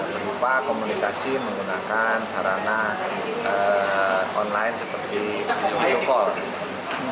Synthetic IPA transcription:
bəɾupakomunikasiməŋɡunakansaɾana | ə | ʔɔnlaɪnsəpərt̪i | ojukɔl

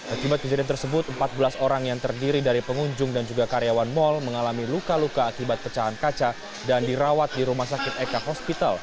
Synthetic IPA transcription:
ʔakibat̪̚kəd͡ʒaɾɪnt̪ərsəbʊt̪̚əmpat̪̚bəlasoɾaŋjaŋt̪ərdiɾidaɾipəŋuɲd͡ʒʊŋdand͡ʒuɡakaɾejawanmɔlməŋalamilukalukaːkibat̪̚pət͡ʃaɦankat͡ʃa | dandiɾawat̪̚diɾumahsakɪt̪ekaɦɔspit̪al

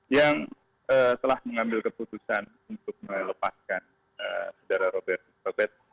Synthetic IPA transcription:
jaŋ | əːt̪əlahməŋambɪlkəput̪usan | unt̪ʊk̚mələpaskan | əsədaɾaɾobɛrt̪̚ɾobɛt̪̚

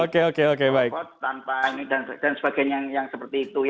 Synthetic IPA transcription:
okeokeokebaɪkpɔt̪anpainidand̥ansəb̥aɡ̥aɲaŋjaŋsəpərt̪iːt̪uj

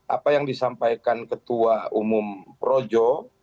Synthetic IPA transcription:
ʔa̰pajaŋdisampajkankət̪uaumʊmpɾod͡ʒɔ

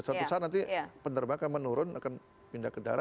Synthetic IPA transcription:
sat̪usat̪nant̪̬ipənərbakamənuɾʊnakan | pindakəda̰ɾa

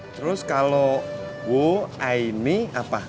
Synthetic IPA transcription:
t̪əɾʊskalowoaimiapa

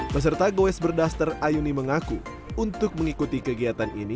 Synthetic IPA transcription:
pəs̬ərt̪aɡoɛsbərdaft̪arajuniməŋaku | unt̪ʊk̚məŋikut̪ikəɡiat̪anḭni

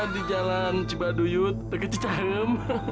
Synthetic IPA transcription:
adid͡ʒalant͡ʃibadujut̪̚ːəkət͡ʃit͡ʃaɾəm

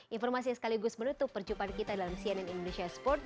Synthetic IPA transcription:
ʔinfɔrmas̬isə̥kaliɡʊsmənut̪ʊpːərd͡ʒupankit̪adalamsiɛnɛnindonesiaspɔrt̪̚

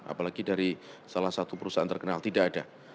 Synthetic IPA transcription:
a̰palaɡidaɾisalahsat̪upəɾusaa̰nt̪ərkənalt̪idaʔada

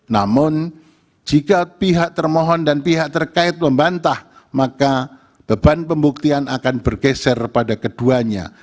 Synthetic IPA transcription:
namʊn | d͡ʒikapiɦaʔ̚t̪ərmɔɦɔndanpiɦaʔ̚t̪ərkaɪt̪̚məmbant̪ah | maka | b̥əbanpəmbuk̚t̪ianakanbərɡɛsɛrpadakəduaɲa̰

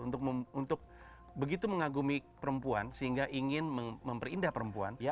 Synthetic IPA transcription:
unt̪ʊk̚məunt̪ʊk̚ | bəɡit̪uməŋaɡumipəɾəmpuansəɦiŋɡaʔiŋɪnməməmpərindahpəɾəmpuanja

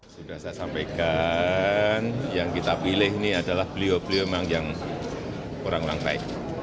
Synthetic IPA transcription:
dib̥aasasampajka | njaŋkit̪apilɪhiniadalahb̥əliob̥əlioemaŋjaŋ | oɾaŋoɾa̰ŋt̪a̰ɪʔ

